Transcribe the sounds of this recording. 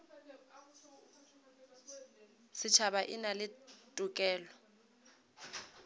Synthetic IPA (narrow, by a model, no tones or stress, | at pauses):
sɪt͡ʃʰabaʔɪnalɪtʼʊkʼɛːlɔ